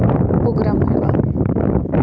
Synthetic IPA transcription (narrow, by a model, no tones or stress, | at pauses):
poɡɾamɦiʋa̰